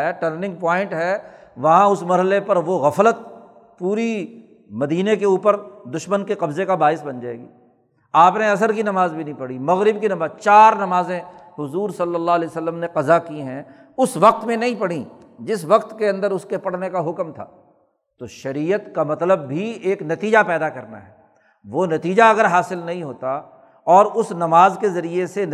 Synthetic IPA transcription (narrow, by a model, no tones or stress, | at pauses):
ɛʈəɾnɪ̃ŋɡ̚pɔːɪ̃ɳʈɦɛːʋɐɦãʊsmɐɾɦəlepɐɾʋoɣɐflət̪̚ | puːɾi | mɐd̪iːnek̬euːpəɾd̪ʊʃmənkeqɐbzekabaːɪsbɐ̃nd͡ʒaːḛːɡḭː | aːpneɐs̬əɾkinɐmaːzbʱinɐɦĩpɐɽ̤imɐɣɾɪbkinɐmaːzt͡ʃaːɾnɐmaːzẽɦʊzuːɾsɐlːəlːaːɦlɛsəlːəmneqɐzakiɦɛ̃ | ʊsʋɐq̚t̪mẽnɐɦĩpɐɽ̤ĩd͡ʒɪsʋɐqt̪keɐ̃nd̪əɾʊskepɐɽ̤nekaɦʊkmt̪ʰa̰ː | t̪oʃɐɾiːət̪kamɐt̪ləbːʱieːknɐt̪iːd͡ʒapɛːd̪akɐɾna̰ɦɛː | ʋonɐt̪iːd͡ʒaɐɡəɾɦaːsɪlnɐɦĩɦoːt̪a | ɔːɾʊsnɐmaːzkezɐɾiese